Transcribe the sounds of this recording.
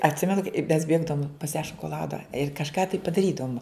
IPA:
ɐtʲˈsʲɪmʲɛnʊ kɐɪ ɪ mʲɛs ˈbʲeːɡdɐʋoːm pɐs jæː ʃoːkoːˈlˠɑːdɐ ɪr kɐʃˈkɑː tɐɪ pɐdɐˈrʲiːdɐʋʊm

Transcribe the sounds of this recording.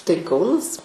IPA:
tɐɪ ˈkɐʊnɐs

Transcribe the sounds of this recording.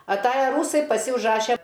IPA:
ɐˈtɑːjɛ ˈruːsɐɪ pɐˈsʲɪ ʊʒˈrɑːʃʲɛ

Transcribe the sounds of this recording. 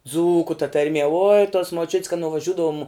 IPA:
ˈd͡zuːkʊ tɐ tɐrʲˈmʲiɛ oːɪ toːs moːˈt͡ʃʲʊtʲs kɐt nʊʋɐˈʒʲʊdɐʋʊm

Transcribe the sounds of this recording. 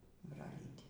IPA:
brɐˈlʲiːtʲɪ

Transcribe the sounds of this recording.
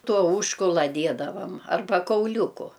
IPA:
ˈtuɔ ˈʊʃkʊlˠɐ ˈdʲiɛdɐʋɐm ɐrˈbɐ kɐʊˈlʲuːkʊ

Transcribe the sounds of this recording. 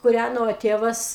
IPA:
kʊˈrʲænoː ˈtʲeːʋɐs

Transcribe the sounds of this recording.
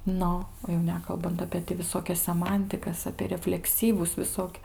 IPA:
ˈnʊ oː jɛʊ ˈnʲæːkɐlˠbɐnt ɐpʲeː tʲɪ ʋʲɪˈsoːkʲɛs sʲɛˈmɐnʲtʲɪkɐs ɐpʲiɛ rʲɛfʲlʲɛkˈsʲiːʋʊs ʋʲɪˈsoːkʲ

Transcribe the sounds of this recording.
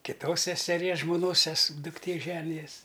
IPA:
kʲɪˈtoːs sʲɛsʲɛˈrʲiɛs ʒmoːˈnoːs sʲɛs dʊkˈtʲeː ˈʒʲæːnʲɪjɛs

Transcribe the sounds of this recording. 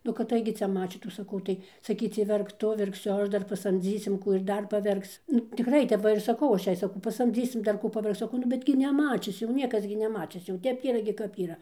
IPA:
nʊ kɐt ˈtɐɪɡʲɪ ˈt͡sʲɛ ˈmɑːt͡ʃʲiːtuː sɐˈkɐʊ tɐɪ sɐˈkʲiːt͡sʲiɛ ˈʋʲɛrk ˈtʊ ˈʋʲɛrksʲʊ ˈɐʃ ˈdɐr pɐˈsɐmʲd͡zʲiːsʲɪm ˈkuː ɪr ˈdɐr pɐˈʋʲɛrks nʊ tʲɪkˈrɐɪ tʲɛp ˈʋɐ ɪr sɐˈkɐʊ ˈɐʃ ˈjɛɪ sɐˈkɐʊ pɐsɐmʲˈd͡zʲiːsʲɪm dɐr ˈkuː pɐˈʋʲɛrkt͡s sɐˈkɐʊ nʊ ˈbʲɛt ɡʲɪ nʲɛˈmɑːt͡ʃʲɪs jɛʊ ˈnʲiɛkɐs ɡʲɪ nʲɛˈmɑːt͡ʃʲɪs jɛʊ ˈtʲɛp ɡʲɪ ˈiːrɐ kɐp ˈiːrɐ

